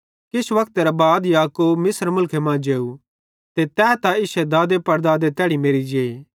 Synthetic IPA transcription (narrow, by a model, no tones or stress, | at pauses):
kɪsʋɐkt̪eɾabaːd̪jaːkoːbmɪsɾmʊlkʰemãːd͡ʒeːu | t̪et̪ɛːt̪aɪsɛd̪aːd̪epɐɾd̪aːd̪et̪ɛːɽimeːɾid͡ʒeː